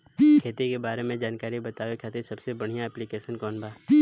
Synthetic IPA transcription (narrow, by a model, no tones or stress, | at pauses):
kʰeːt̪ikebaːɾemẽd͡ʒaːnkaːɾibɐt̪aːʋekʰaːt̪esɐbsebɐɽ̤ijãɛːplikeːʃənkɔːnbʱaː